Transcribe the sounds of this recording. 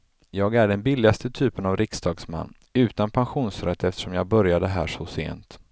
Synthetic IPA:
jɑːɡæɖɛnbɪlːɪast̪ət̪ʰyːpənavɾɪksd̪ɑːɡsma̰nː | ʉ̟ːt̪anpʰanɧuːnsɾɛt̪ʰːɛft̪ə̥ʂɔmjɑːɡ̚bœɾjad̪əɦæ̰ːʂɔsḛːnt̪

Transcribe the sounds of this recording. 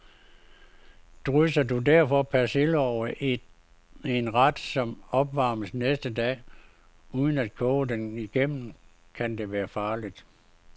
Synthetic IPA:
d̥ʁœsɐd̥udæɐ̰fɒ̽pʰæselɒʊəʔ | enʁɑd̥sɒ̽mɒ̽b̥ʋɑ̈ːməsnesd̥əd̥ɛ̰ː | uːð̞ˠən̩æd̥̚kʰɔːəd̥eniɡ̥em̰n̩ | kʰænd̥e̝ʋæːɐfɑ̈ːlid̥

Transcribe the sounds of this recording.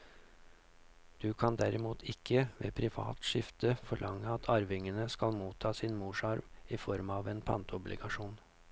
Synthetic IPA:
d̪̥ʉːkʰɑnd̪æɾɪmuːt̪ʰɪkʰːəʋḛːpʰɾɪʋɑ̰ːt̪ʃɪft̪əfɔɭʔɑŋːəɑt̪ʰɑɾʋɪŋənəskɑlmuːt̪ʰːɑːsɪnmuːʂɑɾʋɪfɔɾmɑːʋeːnpʰɑ̰nt̪əɔblʔɪ̰ɡɑʂuːn

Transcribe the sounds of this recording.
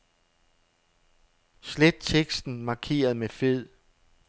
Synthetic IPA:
sled̥̚t͡sʰeɡ̥sd̥n̩mɑ̈kʰe̝̰ːɐðˠmefeð̰ˠ

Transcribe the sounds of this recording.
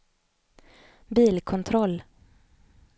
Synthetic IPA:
biːlkʰɔnt̪ʰɾɔlː

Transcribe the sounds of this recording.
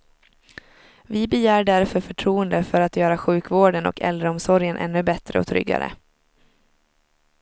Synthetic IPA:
vɪbɛjæːɖæɾfœɾfœʈʰɾuːənd̪əfœɾat̪jœːɾaɧʉ̟ːkvoːɖənɔ̰kʰɛ̰ld̪ɾəɔmsɔɾjənʔɛ̰nːɵbɛt̪ɾə̰ɔ̰t̪ʰɾʏ̰ɡːa̰ɾə̰

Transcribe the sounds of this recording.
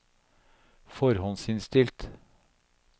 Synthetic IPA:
fɔɾhɔnsɪnst̪ɪlt̪

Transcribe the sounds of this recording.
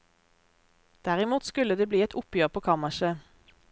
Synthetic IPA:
d̪̥æʁɪmuːt̪skʉləd̪eːbliːɛt̪ʰʊpjøːʁpʰoːkʰɑməʃə

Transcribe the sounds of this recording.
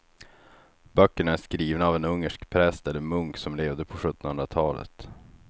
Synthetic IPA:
bœkːəɳaæʂkɾiːvnaːvɛnɵŋːəʂkpʰɾɛst̪ɛlːəmɵŋksɔmleːvd̪əpʰɔɧɵt̪ːɔnhɵnd̪ɾat̪ʰɑːlə̰t̪

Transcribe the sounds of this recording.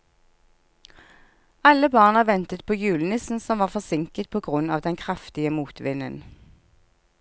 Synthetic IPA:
ɑləbɑːʁnəʋɛnt̪ət̪̚pʰoːjʉːlnɪsn̩sɔmʋɑːʁfɔʁsɪŋkət̪̚pʰoːɡʁʉnɑːʋd̪ɛnkʰʁɑft̪ɪəmuːt̪ʋɪnən

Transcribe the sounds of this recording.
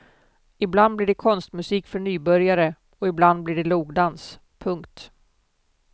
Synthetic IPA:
ɪbland̪blɪɖɛkʰɔnst̪mɵsiːkfœɳyːbœɾjaɾə | ɔɪbland̪̚bliɖɛluːɡd̪ans | pʰɵŋkt̪

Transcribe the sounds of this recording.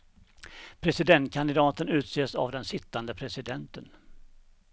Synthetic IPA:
pʰɾɛsɪd̪ɛnt̪̚kʰand̪ɪd̪ɑːt̪ənʉ̟ːt̪seːsa̰vd̪ɛnsɪt̪ːand̪əpʰɾɛsɪd̪ɛnt̪ən

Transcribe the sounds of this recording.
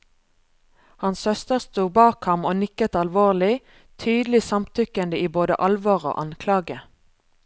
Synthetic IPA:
hɑnshœst̪əʁst̪uːbɑːkhɑmoːnɪkət̪ɑlʋoːʁlɪ | t̪ʰyːd̪l̩ɪsɑmt̪ʰʏkənd̪əiːboːd̪ə̰ʔɑlʋoːʁo̰ːʔɑnkʰlɑːɡə

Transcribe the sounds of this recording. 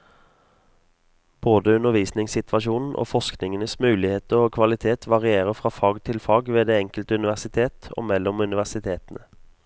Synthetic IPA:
b̥oːd̪əʉnəʁʋiːsnɪŋsɪt̪ʰʋɑʃuːnn̩ʔo̰ːfɔsknɪŋənəsmʉːlɪheːt̪əʁoːkʰʋɑlɪt̪ʰeːt̪ʰʋɑʁɪeːʁəfʁɑːfɑːɡt̪ʰɪlfɑːɡʋeːd̪eːɛŋkəlt̪əʉnɪʋæʁsɪt̪ʰeːt̪o̰ːmɛlːɔmʉnɪʋæʁsɪt̪ʰeːt̪n̩ə

